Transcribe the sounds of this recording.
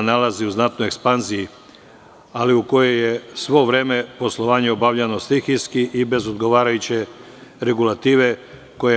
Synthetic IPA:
nalaziuznat̪noekspanziji | aliuko̞je̞jesʋo̞ʋɾe̞ːme̞po̞slˠo̞ʋaːɲeobaʋʎano̞slixiskiʔibe̞zod̪ɡo̞ʋaːɾajut͡ɕe̞ | ɾe̞ɡulat̪iːʋe̞ | ko̞je

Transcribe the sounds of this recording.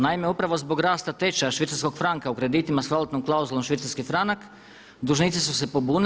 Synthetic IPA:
naime̞upɾaʋo̞zbo̞ɡɾaːst̪at̪e̞t͡ʃaʃʋit̪saɾsko̞ɡfɾaŋkaukɾe̞d̪it̪imasʋalot̪nomklˠauzulˠo̞mʃʋit̪saɾskifɾanak | d̪uʒnit̪sisuse̞po̞bun

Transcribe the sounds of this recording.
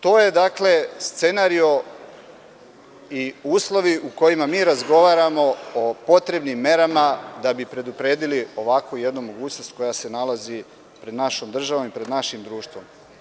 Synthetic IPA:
t̪o̞ːje̞d̪akle̞st̪se̞naɾio̞ | iuːslˠo̞ʋiʔuko̞jimamiːɾazɡo̞ʋaːɾamo̞opo̞t̪ɾe̞bnimːe̞ɾamad̪abipɾe̞d̪upɾe̞ːd̪ilio̞ʋakoje̞d̪numo̞ɡuːt͡ɕnost̪̚ko̞jase̞nalazi | pɾe̞d̪naʃo̞md̪r̩ʒaʋomipɾe̞d̪naʃimd̪ɾuːʃt̪ʋo̞m

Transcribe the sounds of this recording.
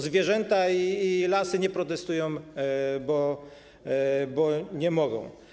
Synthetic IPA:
zvʲjɛʐɛnt̪aiːlasɘɲɛpɾɔt̪ɛst̪ujɔ̃w̃bɔ | bɔɲɛmɔɡɔ̰̃w̃

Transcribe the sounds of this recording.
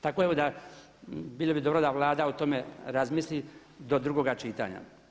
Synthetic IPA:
t̪ako̞eʋod̪a | biːlˠobid̪o̞bɾod̪aʋlˠaːd̪aut̪o̞meɾazmisli | d̪o̞d̪ɾuɡoɡat͡ʃiːt̪a̰ɲa̰

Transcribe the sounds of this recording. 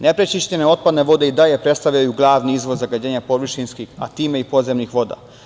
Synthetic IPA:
ne̞pɾet͡ʃiʃt͡ɕene̞o̞t̪̚pad̪ne̞ʋo̞d̪e̞id̪aʎe̞pɾe̞t̪st̪aʋʎajuɡlˠaːʋniizʋozaɡad͡ʑeːɲapo̞ʋɨʃinskixa̰t̪iːme̞ipo̞ze̞mnixʋo̞d̪a̰ː

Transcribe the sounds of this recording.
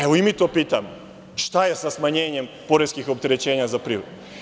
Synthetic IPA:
eʋoimit̪o̞ːpiːt̪am | ʃt̪aje̞sasmaɲe̞ːɲe̞mpo̞ɾeskixo̞pt̪e̞ɾe̞t͡ɕe̞ːɲazapɾiud̪

